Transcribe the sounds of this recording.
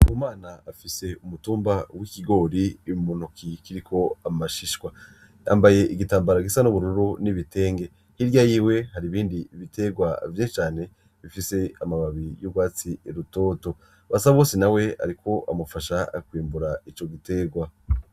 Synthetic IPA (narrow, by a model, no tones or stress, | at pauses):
umaːnaːfise̞umutuːmbawikiɡo̞ːɾimunukikiɾikʰo̞amaʃiʃkwa | a̰mbaje̞ʔiɡitaːmbaɾaɡisanuβuɾuɾuniβite̞ːŋɡe̞ | hiɾjajiːwe̞haɾiβiːndiβitʰe̞ɡwavjeːnʃit͡ʃaːne̞ | βifise̞amaβaβijobɡwaːt͡sieɾuto̞ːto̞ | βasaβwoːsinawe̞a̰ɾikʰo̞ʔa̰mufaʃakwiːmbuɾait͡ʃo̞ɡite̞ɡwa